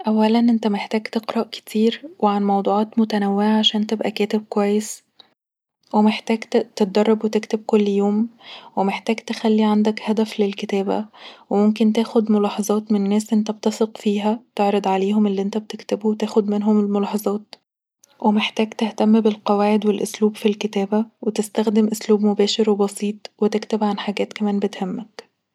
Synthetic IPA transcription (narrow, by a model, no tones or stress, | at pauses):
ʔæwːælænʔent̪æmeħt̪æːɡt̪eqɾɑʔke̥t̪ʰiːɾweʕanmɑwd̪ˤuːʕɑːt̪mot̪ænæwːeʕaʕaʃæːnt̪ebʔækæːt̪eb̚kwæjːes | wemeħt̪æːɡ̪t̪et̪̚d̪ɑrˤːɑbwet̪ekt̪eb̚kolːjoːmwemeħt̪æːɡt̪exælːiʕand̪ækhæd̪æflelket̪æːbæ̰wemomk̬ent̪æːxod̪molɑːħɑzˤɑːt̪mennːæːsʔent̪æbt̪ɑsˤeqfiːɦæt̪eʕɾˤɑd̪ˤʕaleːɦomʔelːiʔent̪æbet̪ekt̪ebuwet̪æːxod̪menɦomelmolɑħɑzˤɑːt̪ | wʔemeħt̪æːɡt̪eht̪æmːbelqɑwæːʕed̪welʔosluːbfilket̪æːbæwet̪est̪æxd̪emʔosluːbmobæːʃeɾwebɑsiːt̪ˤwet̪ekt̪ebʕanħaɡæːt̪kæmæːnbet̪hæmːæk